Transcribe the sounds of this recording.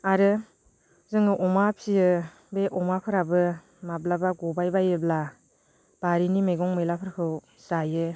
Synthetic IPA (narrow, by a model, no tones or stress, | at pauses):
aɾɯ | zɯŋɯʔɔmapʰijɯ | beʔɔmapʰɯɾabɯ | mablabaɡɔbajbajɯbla | b̥aɾinimeɡɔŋmɯjlapʰɯɾkʰɯw | sajɯ